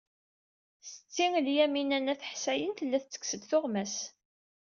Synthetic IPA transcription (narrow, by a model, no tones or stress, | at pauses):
sə̥t͡sːiŋəljæminænæθə̥ħsæjənθəlːæθt͡sːə̥ksəd̪θʊʁmæs